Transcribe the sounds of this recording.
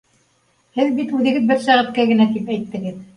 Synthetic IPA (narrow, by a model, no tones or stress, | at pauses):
hɘðbit̪ʉðɘ̆ɡɘðbɘɾsæʁɘ̆t̪̚kæɡɘ̆næt̪ipæjt̪ːɘ̆ɡɘð